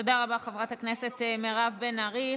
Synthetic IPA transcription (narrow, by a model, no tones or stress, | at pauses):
odaʁabaχevʁathaknesetemeʁavbenaʁi